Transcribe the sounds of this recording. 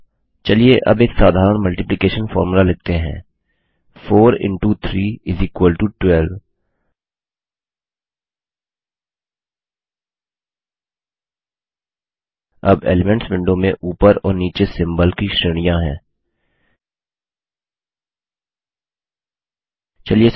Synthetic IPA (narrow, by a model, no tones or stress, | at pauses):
t͡ʃɐlieʔɐ̰beːksaːd̪ʱaːɾəɳ̃mɐlʈɪplɪkeːʃənfɔ̰ːɾmulalɪɡ̚t̪eɦɛ̰̃ː | fʰoːɾɪ̰̃ɳʈut̪ʰɾiːɪziːkwəlʈuʈwɛːlʋ | ɐ̰bḛːlɪmɛ̃ɳʈsbɪ̃ɳɖõmẽʔuːpəɾɔ̰ːɾniːt͡ʃesɪ̃mbəlkiʃɾɪɽ̃ijãɦɛ̰̃ː | t͡ʃɐlie